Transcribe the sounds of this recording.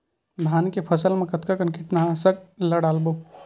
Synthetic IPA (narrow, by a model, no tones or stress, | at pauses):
d̪ʱaːnkepʰɐsəlmẽkət̪kakənkɪʈnaɦsək̚ləɽaːlbo